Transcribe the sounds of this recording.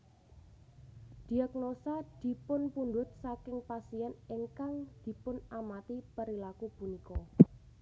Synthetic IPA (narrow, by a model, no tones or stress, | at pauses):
d̪̥i̤ak̚nosad̪̥i̤pʊnpund̪ʊt̪̚sakɪŋpasiɛnɪŋkaŋd̪̥i̤pʊnamat̪ipəɾilakupunikɔ